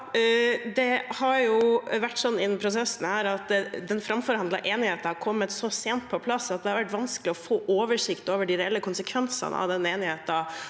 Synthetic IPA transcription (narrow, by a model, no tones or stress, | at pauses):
d̪ɛhɑɾjʊʋæʈːsɔnːɪnːmpʰɾʊsɛsːn̩hæːɾɑt̪d̪ɛnfɾɑmfɔɾhɑnd̪lɑ̰ʔeːnɪheːt̪hɑɾkʰɔmːət̪sɔseːnt̪̚pʰɔpʰlɑsːɑt̪̚d̪ɛhɑɾʋæʈʋɑnskəlɪɔfoːʔoːʋəʂɪkt̪oːʋəɖɪɾɛɛlːəkʊnsəkʰʋɛnsɑ̰n̰ɑ̰ʋd̪ɛnːeːnɪheːt̪ɑ